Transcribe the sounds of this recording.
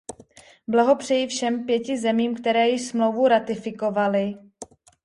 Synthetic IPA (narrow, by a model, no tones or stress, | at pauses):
blaɦo̞pr̝̥ɛjɪfʃɛmpjɛcɪzɛmiːmkt̪ɛɾɛːjɪʃsmlo̞wvuɾat̪ɪfɪko̞valɪ